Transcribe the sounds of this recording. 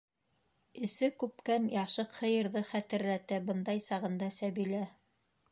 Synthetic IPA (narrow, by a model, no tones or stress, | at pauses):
ɘ̆sɘkʉp̚kænjɑʃɤqhɤ̆jɤ̆ɾðɤχæt̪ɘ̆ɾlæt̪æbɤnd̪ɑjsɑʁɤ̆nd̪ɑsæβilæ